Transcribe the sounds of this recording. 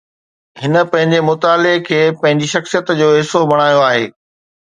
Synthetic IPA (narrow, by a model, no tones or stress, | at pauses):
hɪnə̆pɐ̃ɦɪ̃ɲd͡ʑemʊt̪aːlekʰeːpɐ̃ɦɪ̃ɲd͡ʑiʃɐxsijət̪d͡ʑoːɦɪsobɐɽ̃aːjoaːɦḛː